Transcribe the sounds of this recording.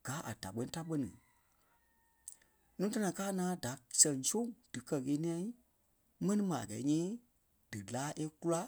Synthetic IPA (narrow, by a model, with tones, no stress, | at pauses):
ɡ̥aː˨˦ʔa̰˨d̥a˨ɓɜ̃˦ĩ˦ta˦ɓɜ˦nĩ˨ | nũː˦ta˦nã˨kaː˦ŋãː˦da˨sɛ̃˨ŋsõ˦˨ŋd̥ɨ˨kɜ˦ɣeː˨˦nĩ˦ã˧i˦ | mɛ̃˦nĩ˦mã˨a˨ɛ̰˨˦ɲĩː˦ | d̥ɨ˨laː˨˦ʔe˦ku˦la˦